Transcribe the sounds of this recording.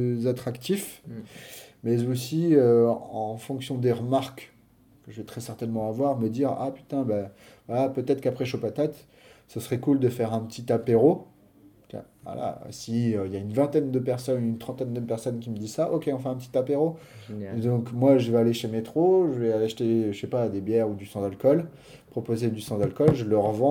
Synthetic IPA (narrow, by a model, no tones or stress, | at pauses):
zat̪χakt̪if | mɛzosiøɑ̃fɔ̃ksjɔ̃d̪eʁəmaʁk | kəʒəvɛt̪χɛsɛʁt̪ɛnmɑ̃avwaʁməd̪iʁa̰py̥t̪ɛ̃ba | vwalapøt̪ɛt̪χəkapχɛʃopat̪at̪ | səsəχɛkuld̪əfɛʁɛ̃pət̪it̪apeʁo | ka̰ | a̰la̰siøiljaynvɛ̃t̪ɛnd̪əpɛʁsɔnynt̪χɑ̃t̪ɛnd̪əpɛʁsɔnkʲiməd̪izsaʔɔkʲeɔ̃fɛɛ̃pət̪i̥t̪apeʁo | d̪ɔ̃kmwaʒəvealeʃemet̪χoʒəvɛaaʃt̪eʃepad̪ebjɛʁud̪ysɑ̃d̪alkɔl | pχɔpozed̪ysɑ̃d̪alkɔlʒələʁvɑ̃